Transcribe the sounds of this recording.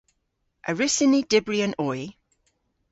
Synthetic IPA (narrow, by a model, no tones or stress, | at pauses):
ʔəɹɪsɪnidɪbɹiə̃nɔj